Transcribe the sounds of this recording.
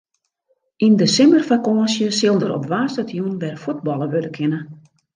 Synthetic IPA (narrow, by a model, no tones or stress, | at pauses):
ʔindəsɪmərfakɔːnsjəsɪlˠdəɾɔ̰pʋaːstatʰjunʋɛrfut̚bɔlˠəʋødəkʰɪnə